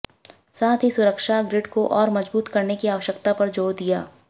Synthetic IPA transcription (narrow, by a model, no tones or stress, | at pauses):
saːt̪ʰɦisʊɾəkʃaɡɾɪɖkoʔɔːɾmɐd͡ʒbuːt̪kɐɾnekiaːʋəʃəkt̪apɐɾd͡ʒoːɽd̪ijaː